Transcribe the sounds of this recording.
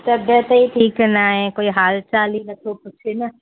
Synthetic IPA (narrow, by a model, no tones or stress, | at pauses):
t̪ɐbʱjət̪iʈʰiːknaːɦẽkoːiɦaːlt͡ʃaːlinɐkʰopʊt͡ʃʰenɐ